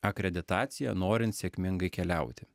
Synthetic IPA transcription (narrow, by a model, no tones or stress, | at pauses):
ɐkɾʲɛd̪ʲɪt̪ɑːt̪sʲɪjɛ̰noːɾʲɪnt̪sʲeːkʲmʲɪŋɡɐɪkʲɛlʲɛˑʊt̪ʲɪ